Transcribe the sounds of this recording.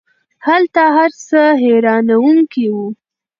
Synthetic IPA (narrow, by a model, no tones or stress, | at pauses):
halt̪aɦaɾsəɦeɾɑnawuŋkiwu